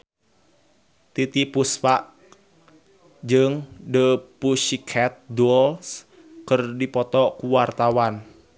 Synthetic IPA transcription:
t̪it̪ipuspaʔ | d͡ʒɨŋdəpuʃikʰɛt̪̚duɔls | kərdipɔt̪ɔkuwart̪awan

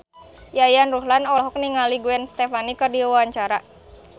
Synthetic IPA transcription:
jajanruɦlanɔɦɔk̚niŋaliɡuɛnst̪efanikərdiaaɲt͡ʃaɾa

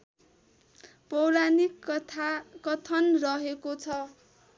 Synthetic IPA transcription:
pʌwɾanik | kʌt̪ʰʌnrʌɦekot͡sʰʌ

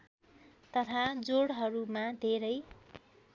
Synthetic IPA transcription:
t̪ʌt̪ʰad͡zoɽɦʌɾumad̪ʱeɾʌj

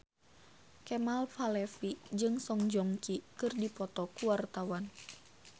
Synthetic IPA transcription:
kɛmalfalɛfid͡ʒɨŋsɔŋd͡ʒɔŋkikɨrdipɔt̪ɔkuwart̪awan

